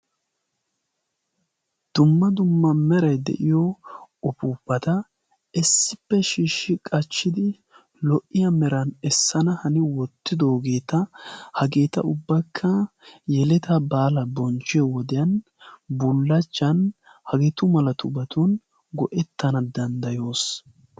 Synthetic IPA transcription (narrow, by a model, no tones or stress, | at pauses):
d̪̥ʊmːɐd̪ʊmːɐmɛɾɐjd̪ɛ̰ʔɪjɔɔpuːpːɐt̪ɐ | ɛsːɪpːɛʃiːʃːɪkʼɐt͡ʃːɪd̪ɪ | lɔʔːɪjɐmɛɾɐnɛsːɐnɐhɐnɪwɔt̪ːɪd̪o̞ːɡe̞ːt̪ɐhɐɡe̞ːt̪ɐ̰ʊbːɐkʰːɐjɛlɛt̪ɐbaːlɐbɔnt͡ʃːɪjɔwɔd̪ɪjɐn | bʊlːɐt͡ʃːɐn | hɐɡɛt̪ʊmɐlɐt̪ʊbɐt̪un | ɡɔʔɛt̪ːɐnɐd̪ɐnd̪ɐjo̞ːs